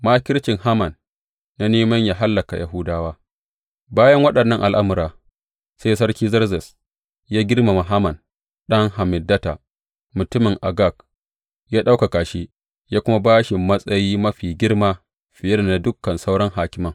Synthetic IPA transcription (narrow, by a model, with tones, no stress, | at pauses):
maː˦kʲɪ˦ɾt͡ʃɪ˨ŋha˦mɐ˨nː | a˦neː˦mɐ˦ɲjaː˨ɦa˦lːɐ˨ka̰˨ja̰˦ɦʊ˦daː˦waː˦ | baː˦jɐ˦ŋwɐ˦ɗɐ˨nːɐ˦ŋʔa˨lʔa˦mʊ˨ɾaː˨ | seː˦sɐ˦ɾkʲiː˦zɐ˦ɾzɛ˨s | jaː˦ɡʲɪ˦rma˨ma˨ɦa˦mɐ˨n | ɗɐ˦ŋha˨mɪ˨dːɐ˦ta̰˨ | mʊ˨tʊ˦mɪ˨ŋʔa˨ɡa˦˨k̚ | jaː˦ɗa˦wka˨kaː˨ʃi˦ | jaː˦kʷʊ˦ma˦baː˦ʃɪ˨mːɐ˦sʼɐ˦jiː˦mɐ˦ɸiː˨ɡʲɪ˦ɽmaː˦ | ɸɪ˨jɪ˦rna˨dʊ˦kːɐ˨nsa˦wɽɐ˦ŋhaː˨kʲɪ˦mɐ˦˨ŋ